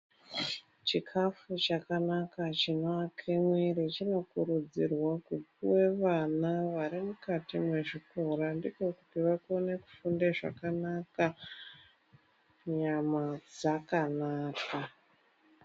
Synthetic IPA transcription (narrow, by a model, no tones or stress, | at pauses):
t͡ʃikʰafut͡ʃakanakat͡ʃinoakʰemwirit͡ʃino̞kurud͡zirwakupuwe̞ʋanaʋaɾimukatimwe̞ʐiko̞randiko̞kutiʋakone̞ku̥fundeʐa̰kanaka | ɲamad͡zakanaːka